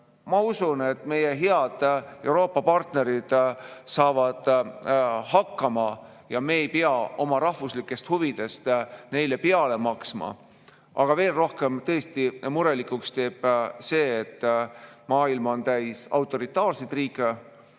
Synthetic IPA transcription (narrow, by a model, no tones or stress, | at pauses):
mɑusune̞t̪ːˑme̞je̞ɦe̞ɑd̪̥e̞wɾo̞ːpːˑɑpɑrt̪ne̞ɾid̪̥sɑːvɑd̪̥ | hɑkːɑmɑ | jɑme̞ːjpeɑo̞mɑɾɑhvuslikːˑe̞st̪huvid̪̥e̞st̪ne̞jle̞peɑle̞mɑksmɑ̰ | ɑɡ̥ɑve̞ːlro̞hke̞mt̪ɤ̞est̪imuɾe̞likːˑukst̪e̞ːb̥se̞ːt̪ːmɑːilmɑo̞nt̪æjsɑ̰wt̪ːˑo̞ɾit̪ːˑɑːrsejt̪ˑriːkːˑe